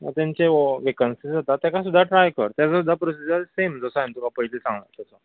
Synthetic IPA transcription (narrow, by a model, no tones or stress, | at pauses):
mə̰ɾt̪jãɲt͡ɕeoʋekənsisd͡zat̪at̪ːjãkasud̪ʱːaʈɾajkə̰ɾt̪jat͡sasud̪ʱːapɾosisasemd͡zəsaint̪ukapəɦilesãŋɡɭa̰t̪əsə